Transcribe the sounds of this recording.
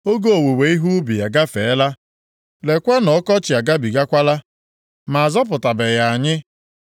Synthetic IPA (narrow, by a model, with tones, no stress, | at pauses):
o˦ɡo˦o˨we˨we˨˦i˦ɦu˦ʊ˦bi˨ja˨ɡa˦fe˨˦la˦ | le˨kʷa˦nɔ˨ɔ˦kɔ˦t͡ʃɪ˨a˨ɡa˦bi˨ɡa˦kʷa˦la˦ | ma˨a˨zɔ˦p̬ʊ˨ta˨be˨ɣa˨a˨ɲɪ˦